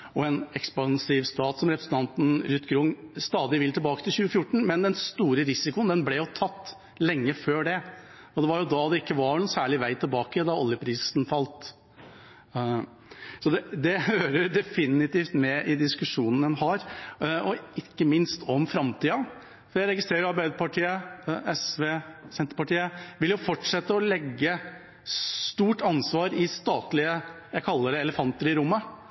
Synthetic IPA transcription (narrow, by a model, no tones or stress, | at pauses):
ɔɛnɛkspɑnsiːʋst̪ɑːt̪sɔmɾɛpɾəsn̩t̪ɑnt̪n̩ɾʏt̪ːɡɾʊŋst̪ɑːd̪ɪʋɪlːt̪ʰɛlbɑːkət̪ʰɪlçʉːəfjʊʈːɳ̩mɛnd̪ɛnst̪uːɾəɾɪsɪkʊənd̪ɛnblɛjʊt̪ʰɑt̪ː | lɛŋːəføːɖɛ | ɔd̪ɛʋɑɾjʊd̪ɑd̪ɛɪkːəʋɑɾnʊsæːɭɪʋæɪt̪ʰɪlbɑːkəd̪ɑɔljəpʰɾiːsnfɑlt̪ | sɔd̪ɛd̪ɛhøːɾəd̪ɛfɪnɪt̪iːft̪mɛʔɪd̪ɪskʉʂuːnənənhɑɾɔɪkːəmɪnst̪ʰɔmfɾɑmt̪iːɑ | fɔɾjæɪɾɛɡɪst̪ɾeːɾɑɾbæɪd̪əpɑʈiːəʔɛsʋeːsɛnt̪ɾəpɑʈiːəʋɪljʊfɔʈʂɛt̪ːəɔlɛɡːə | st̪uːʈɑnsʋɑːɾɪst̪ɑːt̪lɪəjæɪkʰɑlːəd̪ɛɛləfɑnt̪əɾɪɾʊmːə